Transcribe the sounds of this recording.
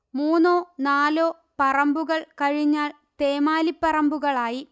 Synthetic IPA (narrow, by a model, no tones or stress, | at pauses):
muːnoːnaːloː | pɐrɐmbuɣɐɭkɐɻiɲːaːl | t̪eːmaːlipːɐrɐmbuɣɐɭaːji